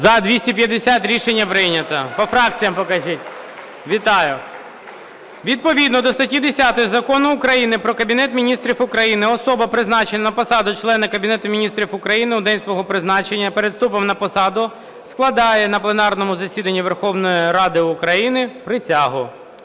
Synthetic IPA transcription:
zɐd̪ʋʲisʲtʲipʲjɐd̪esʲat̪ʲɾʲiʃenʲːɐpɾɪnʲɐt̪ɐpɔfɾɑk̚t͡sʲijɐmpɔkɐzʲitʲ | ʋʲit̪ɑjʊ | ʋʲid̪̚pɔʋʲid̪nɔd̪ɔst̪ɐtʲid̪esʲat̪ɔjizɐkɔnʊːkɾɐjinɪpɾɔkɐbʲinɛt̪mʲinʲist̪ɾʲifʊkɾɐjinɪɔsɔbɐpɾɪznɑt͡ʃenɐnɐpɔsɑd̪ʊt͡ʃlˠɛnɐkɐbʲinɛt̪ʊmʲinʲist̪ɾʲifʊkɾɐjinɪʊd̪ɛnʲsʋɔɦɔpɾɪznɑt͡ʃenʲːɐpeɾed̪st̪upɔmnɐpɔsɑd̪ʊ | sklˠɐd̪ɑjɛnɐplˠenɑrnɔmʊzɐsʲid̪ɐnʲːiʋerxɔwnɔjiɾɑd̪ɪʊkɾɐjinɪpɾɪsʲɑɦʊ

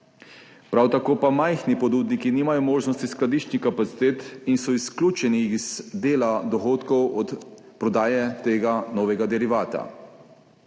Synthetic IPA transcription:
pɾawt̪akoːpamajxnipɔd̪uːd̪nikiniːmajɔmoːʒnɔst̪isklad̪iːʃt͡ʃnixkapat̪si̥t̪eːt̪insɔisklʲuːt͡ʃɛniːzd̪eːlad̪ɔxoːt̪kɔwɔt̪ | pɾɔd̪aːjɛt̪eːɡanɔːʋɛɡad̪ɛɾiʋaːt̪a̰

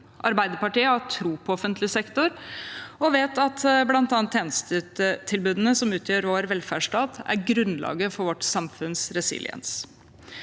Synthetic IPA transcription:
ʔɑɾbæɪd̪əɾpɑʈiːəhɑʈʰɾuːpʰɔɔfənt̪lɪsɛkt̪ʊɾɔʋeːt̪ɑt̪blɑnt̪ɑːnt̪ʰːeːnəst̪əət̪ʰɪlbʉːd̪ənəsɔmʉːt̪ʰjøːɾʋoːɾʋɛlfæːʂʈɑːt̪æ̰ɾɡɾʉnlʔɑ̰ːɡəfɔɾʋɔʈsɑmfʉnsɾɛsɪ̰lɪə̰ns

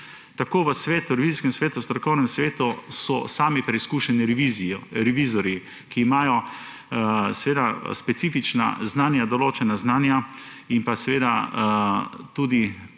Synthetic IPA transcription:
t̪akoːʋəsʋeːt̪uɾɛʋiziskɛmsʋeːt̪ust̪ɾɔkɔwnɛmsʋeːt̪usɔ̰saːmipɾɛiskuʃɛniɾiziɾɛʋiːzɔɾji | kiːmaːjɔ | sɛʋeːd̪aspɛt̪siːfit͡ʃna̰znaːnjad̪ɔloːt͡ʃɛnaznaːnja | impasɛʋeːd̪a | t̪uːd̪i

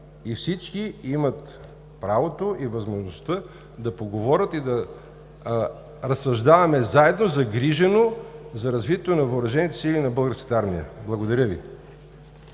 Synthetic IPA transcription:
ifsit͡ʃkiimɐt̪ | pɾavot̪oʔivɐzmoʒnost̪ə | d̪ɐpoɡovɔɾʲət̪id̪ɐ | ɾɐsɐʒd̪avɐmɛzaɛd̪nozɐɡɾiʒɛnozɐɾɐzvit̪ʲɛt̪onɐvəoɾɐʒɛnit̪ɛ̥silʲinɐbɤlˠɡəɾskə̥t̪əaɾmiə̰blˠɐɡod̪ɐɾʲəvḭ

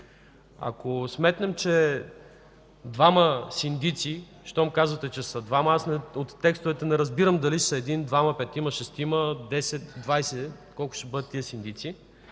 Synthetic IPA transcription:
ɐ̰kosmɛt̪nɛmt͡ʃɛ | d̪vaməsind̪it̪si | ʃt̪ɔmkazvɐt̪ɛt͡ʃɛsɐd̪vamɐasnɛot̪ːɛkst̪ʊvɛt̪ɛnɛɾɐzbiɾəmd̪ɐlisɐɛd̪ind̪vamɐpɛt̪imɐʃɛst̪iməd̪ɛsɛt̪d̪vajsɛkɔlˠkʊ̥ʃt̪ɛbɤd̪ət̪ːiəsind̪it̪si

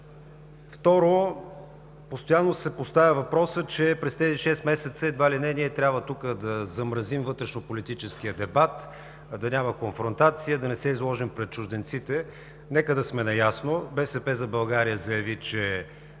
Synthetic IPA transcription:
ft̪ɔɾo | post̪ojanːosɛpost̪avʲəvɐpɾɔsət͡ʃɛpɾɛst̪ɛziʃɛst̪mɛsɛt̪səɛd̪valinɛniɛt̪ɾʲabvət̪ukəd̪ɐzɐmɾɐzimvɤt̪ɾɛʃnopolit̪it͡ʃɛskijəd̪ɛbat̪ | d̪ɐnʲaməkonfɾont̪at̪siəd̪ɐnɛsɛizlˠɔʒimpɾɛt̪̚t͡ʃʊʒd̪ɛnt̪sit̪ɛ | nɛkəd̪ɐsmɛnɐjasnobɛsɛpɛzɐbɐlˠɡaɾijəzɐjɐvit͡ʃɛ

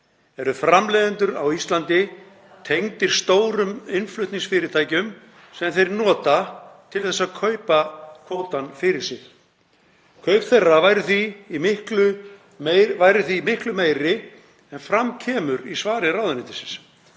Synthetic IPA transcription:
ɛɾʏfɾamlɛːðʏnt̪ʏɾa̰wist̪lant̪ɪ | t̪ʰejŋt̪ɪɾ̥st̪oːwɾʏmɪnflʏht̪nɪŋsfɪːɾɪt̪ʰaːjcʏm | sɛmθejɾnɔːt̪at̪ʰɪlθɛsːaðkʰœɥpakʰowt̪anfɪɾɪɾ̥sɪx | kʰœɥpθɛrːavaːjɾʏθiːmɪhklʏ | evajɾʏθiːmɪhklʏmeːjɾɪ | ɛnfɾamcʰɛːmʏɾisvaːɾɪɾawðʏnɪnt̪ɪsɪns

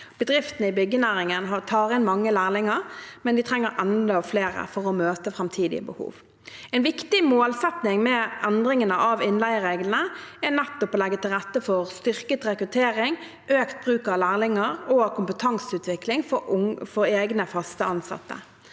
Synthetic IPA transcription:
b̥əd̪ʁɪft̪nəɪbʏɡənæːɾɪŋənɦɑt̪ʰɑːʁɪnmɑŋːəlæːʁlɪŋəʁmɛnd̪ɪt̪ʰʁɛŋːəɾʔɛnd̪əɔfleːɾə̰fɔʁɔmøːt̪əfɾɑmt̪ʰiːd̪ɪ̰ə̰bəhṵːʋ | ɛnʋɪkt̪ɪmoːlsɛt̪nɪŋmɛʔɛnd̪ɾɪŋənəʔɑʋɪnlæɪʁeːɡln̩əɛnɛt̪ːɔpɔlɛɡːət̪ʰɪlʁɛt̪ːəfɔʁst̪ʏʁkət̪ʁɛkɾʉt̪ʰeːɾɪŋ | øːkt̪̚bʁʉːkɑʋlæːʁlɪŋəʁoːkʰʊmpət̪ʰɑŋsʉːt̪ʰʋɪklɪŋffɔɾeːɡnəfɑst̪əɑnsɑ̰t̪ːə̰

